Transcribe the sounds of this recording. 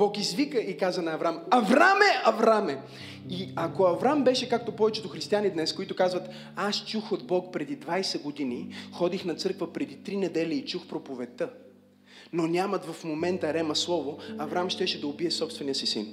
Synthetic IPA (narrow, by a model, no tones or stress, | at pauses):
b̥ɔkizvikəikazɐnɐːvɾamɐvɾamɛɐvɾamɛ | iɐkoɐvɾambɛʃɛkak̚t̪opɔvɛt͡ʃɛt̪oxɾist̪ianid̪nɛskoit̪ʊkazvət̪ | ast͡ʃuxod̪bɔkpɾɛd̪id̪vajsɛɡod̪inixɔd̪ixnɐt̪sɤɾkvəpɾɛd̪it̪ɾinɛd̪ɛlʲiːt͡ʃuxpɾopovɛt̪ɤ | nonʲamɐt̪vɐfmomɛnt̪əɾɛmɐslˠɔvoɐvɾamʃt̪ɛʃɛd̪ɐobiɛsɔpst̪vɛnijəsisḭn